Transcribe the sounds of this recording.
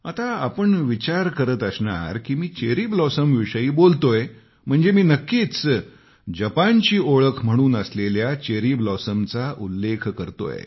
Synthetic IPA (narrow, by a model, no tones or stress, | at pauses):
at̪aa̰pəɳʋit͡ɕaɾkəɾət̪əsɳa̰ɾkiːmiːt͡ɕeɾiːblɔsəmʋiʂəiːbolt̪oj | m̤əɳd͡zemiːnəkːit͡s | d͡ʑəpant͡ɕiːoɭəkʰm̤əɽ̃uːnəsleljat͡ɕeɾiblɔsəmt͡saʔulːekʰkəɾt̪o̰j̰